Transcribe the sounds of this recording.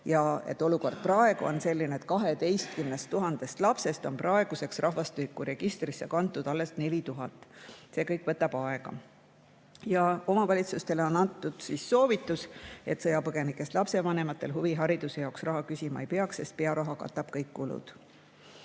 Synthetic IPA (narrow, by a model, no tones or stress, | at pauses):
jɑe̞̰t̪ːˑoluko̞rd̪̥̚prɑe̞ɡ̥uo̞̰nse̞lʲːineet̪̚kɑɦe̞t̪e̞jst̪̚kymnest̪ːuɦɑnd̪̥e̞st̪lɑpse̞st̪o̞nprɑe̞ɡ̥use̞ksrʔɑɦvɑst̪yikːˑuɾe̞ɡ̥ist̪risːekɑnt̪ːˑud̪ɑlːe̞st̪ne̞lit̪uɦɑt̪ːˑse̞ːkɤjkˑvɤt̪ːˑɑb̥ɑe̞ɡ̥ɑ̰ | jɑo̞mɑvɑlʲit̪sust̪e̞leo̞nɑnt̪ːˑud̪̥sisːo̞ːvit̪ːˑuse̞t̪sɤjɑpɤɡ̥e̞nikːˑe̞st̪lɑpse̞vɑne̞mɑt̪ːˑe̞lɦuviɦɑɾid̪̥use̞jɑoksrɑɦɑkysʲimɑejpeɑksse̞̰st̪̚pe̞ɑɾɑɦɑkɑ̰t̪ːˑɑb̥̚kɤjkːulṵd̪̥